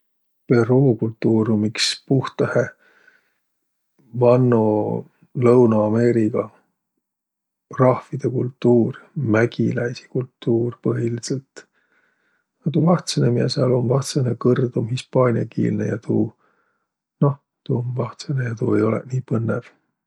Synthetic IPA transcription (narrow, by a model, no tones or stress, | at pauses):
pe̞ruːkult̪ːuːɾumikspuht̪ɑhe | vɑnːo | lɤwnɑɑme̞ːɾiɡ̥ɑ | rɑhvfid̪̥e̞kult̪ːuːrmæɡ̥ilæjsi̥kult̪ːuːrpɤɦiliselt̪ | ɑt̪uvɑht̪senemiɑseɑlo̞nvɑht̪senekɤrd̪̥omhispɑːnʲiɑkḭːlnḛjɑt̪ʰuː | no̞h | t̪uonvɑht̪senejɑt̪uːe̞̰jo̞lḛʔniːpɤnːev̥